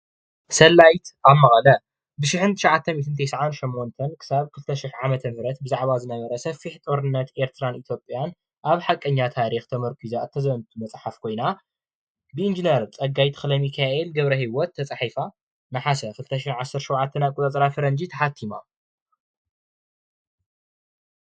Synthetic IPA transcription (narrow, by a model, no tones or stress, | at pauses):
sɐlːajt̪ʔaβmːɐxʼɐlɐ | bɨʃɪħɨnt̪ʰɨ̥ʃʕat̪ʰːɐmit̪ʰɨnt̪ʰɐjsʕanʃimːont̪ʰɐnkʰɨ̥saβkʰɨlt̪ʰɐʃɪħʕamɐt̪ʰɐmhɾɐt̪̚bɨzaʕβazɨnɐβɐɾɐsɐfːiħt̪ʼo̞ɾɨnːɐt̪e̞ɾt̪ʰɨɾanit̪ʰjo̞pʼjan | ʔaβħakʼːɐɲːat̪ʰaɾixt̪ʰɐmɐɾkʰizaɨt̪ʰːɐzɐnt̪ʰumɐt͡sʼħafkʰo̞jna | bɨind͡ʒineɾt͡sʼɐɡajt̪ʰɨ̥xlɐmikʰaʔelɡɐβɾɐhiwɔt̪ʰːɐt͡sʼaħifa | nɐħasɐkʰɨlt̪ʰɐʃħɪʕasːɐɾʃowʕat̪ʰːɐnaβkʼut̪ʼɐt͡sʼɾafɨɾɐnd͡ʒit̪ʰɐħat̪ʰːima̰